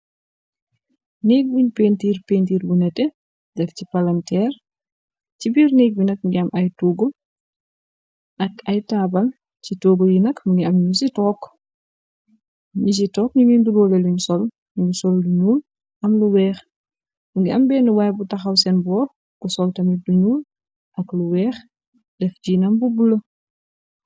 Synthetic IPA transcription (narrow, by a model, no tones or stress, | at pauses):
neːk̚biɲpeːntiːɾpeːntiːɾbunɛtɛ | dɛfcipɐlɐmtɛːɾ | cibiːɾneːk̚binɐk̚ŋɡiamʔɐjtuːɡɔ | ʔɐkɐjtaːbɐl | citoːɡɔjinɐkmuŋɡiɐmɲɲisitɔːk | ɲis̬itɔːkɲiŋindulɔːlɛluɲsɔl | ɲusɔlduɲuːl | ʔɐmluwɛːx | muŋɡiɐmbɛːnuwajbutaxawsɛnbɔː | ɡusɔltɐmiduɲuːl | ʔɐkluwɛːx | dɛfd͡ʒinɐmbubulə